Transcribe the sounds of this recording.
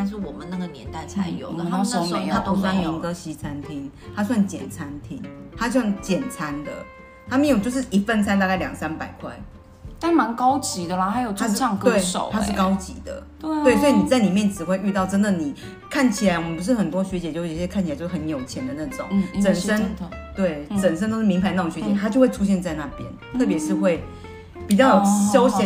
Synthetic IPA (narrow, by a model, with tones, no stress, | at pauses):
t̪a˥˧nʂ̬ɻ̩˥˩wɔ˨˩mə˨˦na˥˩ɡə˨˩njɛ̰˧˦nt̪a˥˩ɪt͡sʰa˧˦ɪjo̰˨˩ʊ˨a˥o˧˦t̪ʰa˥p̪u˧˥swa˥˩ni˧˦ŋkə˥ɕi˧˥t͡sʰa˦nt̪ʰi˦˥ŋ | t̪ʰa˥s̬wa˥˩nt͡ɕjɛ̰˨˩nt͡sʰa˦nt̪ʰi˥ŋt̪ʰa˥swa˥˩nt͡ɕjɛ˨˩nt͡sʰa˦˥nd̪ə̰˨ | t̪ʰa˥mjŋjo˨˩t͡ɕo˥˧ʊʂɻ̩˥˩ʔi˧˥fə˥˧nt͡sʰa˥nt̪̬a˥˧ka˥˩ɪljɑ˨˩ŋsa˦npa˨˩ɪkʰwa̰˥˩ɪ | t̪a˥˩nma˧˦nkɑ˥ʊt͡ɕi˨˥d̪ə˧la˨˩ha˧˥ɪjo˨˩ʊt͡ɕʰa˥ɑ˥˧ŋk̪we˥˩ɪʂo̰˨˦t̪ʰa˥ʂɻ̩˥˩kɑ˥ʊt͡ɕḭ˧˦d̪ə̰˨ | we˥˩ɪswɔ˧˥i˨˩ni˨˩t͡sa˥˩ɪli˨˩mjɛ˥˩nʈ͡ʂɻ̩˨˩xwe˥˧ɪʔy˥˧t̪ɑ˥˩ʊʈ͡ʂə˥nd̪ə˨ni˨˩ | kʰa˥˩nt͡ɕʰi˨˩la˨˦ɪwɔ˨mə˦npu˧˥ʂ̬ɻ̩˥˩xə˨˩nt̪wɔ˥ɕɥɛ˧t͡ɕjɛ˨t͡ɕjo˥˧˩kʰt͡ɕʰt͡ɕjo˧˥˩ə˧˦njo˨˩ʊt͡ɕʰjɛ˧˥nd̪ə˨na˥˩ʈ͡ʂʊ̰˨˦ŋt͡sə˨˩nʂə˥nt̪we˥˩ɪt͡sə˨˩n̬ə˥nt̪o˥ʊʂ̩ɻ̩˥˩mi˧ŋmba˧˩ɪna˥˩ʊ˨˩ŋɕɛ˧˦t͡ɕjɛ˨˧˦t̪ʰa˥t͡ɕjxwe˥˩ɪʈ͡ʂʰu˥ɕjɛ˥˧nt͡sa˥˧ɪna˥˩pjɛ̰˥nt̪ʰɤ˥˩p̬jɛ˧˥ʂɻ̩˥˧xwe˥˩ɪ | pi˨˩t͡ɕjɑ˥˩o˨˩ɕo˥ʊɕjɛ˧˦